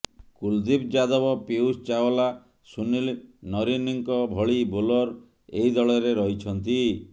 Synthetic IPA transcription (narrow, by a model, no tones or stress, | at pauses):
kuld̪ibd͡ʒad̪ɔbɔpeust͡ʃawɔla | sunilnɔɾiniŋkɔbʱɔɭibolɔɾ | eid̪ɔɭɔɾeɾɔɦit͡ʃʰɔnt̪i